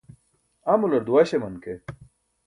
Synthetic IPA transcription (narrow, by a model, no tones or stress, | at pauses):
amulɐɾd̪uwaːɕemɐnke